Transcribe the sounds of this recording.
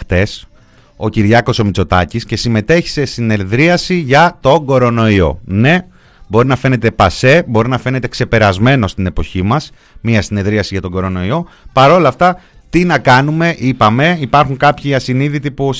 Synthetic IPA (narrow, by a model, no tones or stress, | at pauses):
t̪e̞s | o̞ciɾʝɐko̞so̞mit͡so̞t̪ɐ̰cisce̞sime̞t̪e̞çi̥se̞sine̞ðɾiɐsiʝɐt̪o̞ɡo̞ɾo̞no̞io̞̰ne̞ | bo̞ɾinɐfe̞ne̞t̪e̞pɐse̞bo̞ɾinɐfe̞ne̞t̪e̞kse̞pe̞ɾɐzme̞no̞st̪ine̞po̞çimɐs | miɐsine̞ðɾiɐsiʝɐt̪o̞ŋɡo̞ɾo̞no̞io̞ | pɐɾo̞lɐft̪ɐ | t̪inɐkɐnume̞ʔipɐme̞ipɐɾxuŋkɐpçiɐsiniðit̪ipu